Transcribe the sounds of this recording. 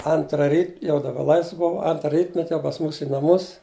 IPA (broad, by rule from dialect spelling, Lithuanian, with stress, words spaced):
ˈɐntrɐ ˈrʲiːt jɛʊ dɐˈbɐ ˈlˠɐɪsʋ ˈbʊw ˈɐntrɐ ˈrʲiːtʲmʲɛtʲ jɛʊ pɐs ˈmuːs iː nɐˈmʊs